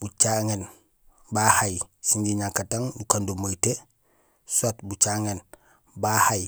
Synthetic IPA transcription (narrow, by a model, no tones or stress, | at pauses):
but͡ʃaŋen | bahajsiɲɟiɲaŋkataŋbukandomojte | sotbut͡ʃaŋen | bahaj